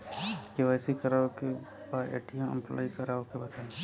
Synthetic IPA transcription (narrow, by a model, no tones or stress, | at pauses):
keʋajsikəɾaoke | baːḛːʈʰijãə̰mpla̰ikəɾaːokebət̪ʰa